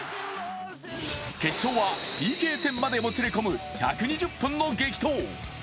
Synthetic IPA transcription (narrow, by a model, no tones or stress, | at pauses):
ke̞ɕ͈owapʲiːke̞ːse̞mːad̪e̞mot͡sɯɾekomɯçakɯɲid͡ʑɯpːɯnːoɡe̞kʲi̥t̪ʰo